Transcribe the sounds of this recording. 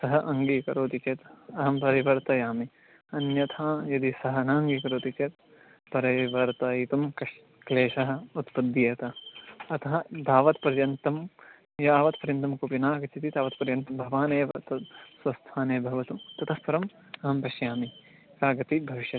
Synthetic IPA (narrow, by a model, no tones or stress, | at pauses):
sɐɦɐʔɐŋɡikɐ̰ɾoːt̪it͡ʃeːt̪ɐɦɐmpɐɾiʋɐɾt̪ɐjaːmi | ɐnjɐt̪ʰaːjɐd̪isɐɦɐnaːŋɡikɐɾoːt̪it͡ʃeːt̪ | pɐɾɐʋɐɾt̪ɐit̪ɐmkɐʃ | kleːʃɐɦɐ̆ut̪pɐd̪jeːt̪ɐɐt̪ɐɦɐd̪aːʋɐt̪pɐɾjɐnt̪ɐm | jaaːʋɐt̪pɐɾjɐnt̪ɐmkopinaːɡɐt͡ʃit̪id̪aːʋɐt̪pɐɾjɐnt̪ɐmbʱɐʋaːneːʋɐt̪ɐsʋɐst̪ʰaːneːbʱɐʋɐt̪ut̪ɐt̪ʰɐsʋɐɾɐm | ɐɦɐmpɐʃjaːmi | kaːɡɐt̪ibʱɐʋiʃjɐt̪